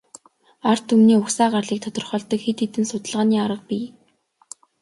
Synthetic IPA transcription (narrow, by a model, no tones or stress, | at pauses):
ar̥t̪ʰumniːʊxsaːɢarɮiːk̚t̪ʰɔt̪ɞ̆rχɔːɮt̪ɞ̆kxet̪ːet̪ɘ̆nsʊt̪ə̆ɮʁaːniːaɾə̆q̚piː